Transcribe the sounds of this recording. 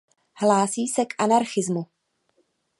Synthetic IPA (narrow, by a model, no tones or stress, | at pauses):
hlaːsiːsɛkʔanaɾxɪzmu